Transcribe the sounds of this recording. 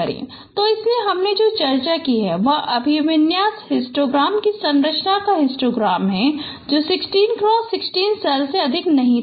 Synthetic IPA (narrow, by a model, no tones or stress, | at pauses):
ɐɾḛ̃ː | t̪oɪsneɦɐmned͡ʒoːt͡ʃɐɾt͡ʃakiɦɛʋɐɦʔɐbʱiʋɪnjaːshɪsʈɾoːɡɾaːmkisɐ̃ŋɾəʃnakaɦɪsʈɾoːɡɾaːmɦɛ | d͡ʒoːsɪksʈiːnkɾɔ̃ːsɪksʈiːnsɛlseɐd̪ʱɪknɐɦĩ